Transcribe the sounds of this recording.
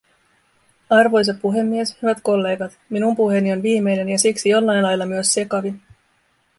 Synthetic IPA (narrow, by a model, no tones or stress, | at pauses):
ɑrʋo̞js̬etpuɦe̞mːie̞shyʋæt̪ko̞lːe̞ːɡɑt̪minumpuɦe̞nio̞nʋiːmːe̞jne̞njɑsiksijo̞lːɑnlɑjlːɑmyø̞sːe̞kɑʋi